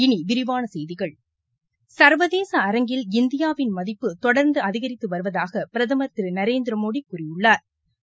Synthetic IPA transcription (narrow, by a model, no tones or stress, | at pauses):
ɪniʋɪɾɪʋaːnɐsɛjðɪɣɐɭ | sɐɾʋɐðeːsɐːɾɐŋɡɪlɪnd̪ɪjaːʋɪnmɐðɪpːɯt̪ɔɽɐɾnd̪ɯɐðɪɣɐɾɪt̪ːɯʋɐɾɯʋɐðaːɣɐpɪɾɐðɐmɐt̪ːɪɾɯnɐɾeːnd̪ɪɾɐmoːɽikːʊrɪjɯɭːaːɾ